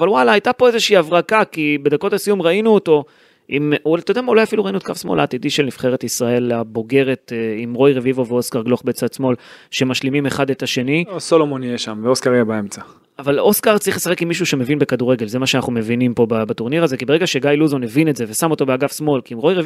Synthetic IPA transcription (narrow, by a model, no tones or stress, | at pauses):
valwalaajtapo̞ezeʃiːavʁakakibe̞d̪ako̞tasijumʁainuoto̞ | imtod̪amaulajafiluʁainuotkafsmo̞̰laːt̪idiʃe̞lnifχe̞ʁetisʁae̞labo̞ɡe̞ʁe̞t̪imʁo̞jʁevivo̞veo̞skaʁɡloχbet͡sad̪smo̞lʃe̞maʃlimime̞χadet̪aʃe̞niosolomonjeʃamveoskaʁjebaemt͡sa | avaloskaʁt͡saʁiχlesaχekimːiʃ̬uʃe̞me̞vinbekad̪uʁe̞ɡe̞lzemaʃeanaχnume̞vinimpo̞babat̪oʁniʁaze̞kibe̞ʁeɡaʃeɡajluzonevinetze̞vesamo̞t̪o̞beaɡafsmo̞lkiːmʁo̞jʁev